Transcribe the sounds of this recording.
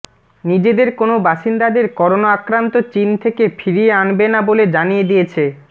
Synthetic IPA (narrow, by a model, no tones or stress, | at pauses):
nid͡ʑed̪eɾkonobaʃind̪ad̪eɾkɔɾonaakɾant̪ot͡ɕint̪ʰekefiɾieanbenaboled͡ʑanijed̪ijet͡ɕʰe